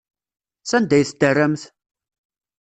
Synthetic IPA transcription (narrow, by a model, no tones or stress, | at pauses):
sænd̪æjθd̪ərːæmθ